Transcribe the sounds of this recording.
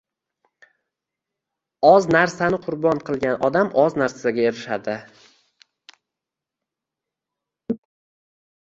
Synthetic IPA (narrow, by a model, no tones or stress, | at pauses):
ɒznaɾsanɪqʰʊɾbɒɴqʰɨlˠɡʲanʔɒd̪amʔɒznaɾsaɡʲaeɾɪʃad̪ɪ